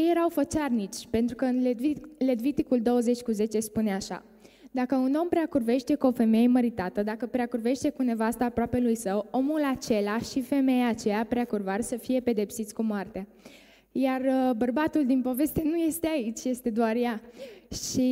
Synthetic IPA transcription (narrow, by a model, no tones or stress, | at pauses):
ejeɾawfət͡ʃarnit͡ʃʲpe̞nt̪ɾukəɨnle̞d̪vit̪ikuld̪o̞wəze̞t͡ʃʲkuze̞t͡ʃe̞spuneaʃa̰ | d̪akəuno̞mpɾeakurve̞ʃt̪e̞kuo̞fe̞mejeməɾit̪at̪əd̪akəpɾeakurve̞ʃt̪e̞kune̞vast̪aːpɾoape̞lujsəwo̞mulat͡ʃe̞laʃife̞me̞jaːt͡ʃe̞japɾeakurvarsəfije̞pe̞d̪e̞psit̪sʲkumoart̪a | jarəbərbat̪uld̪inpo̞ve̞st̪enuje̞st̪eait͡ʃʲje̞st̪e̞d̪oarjaʃi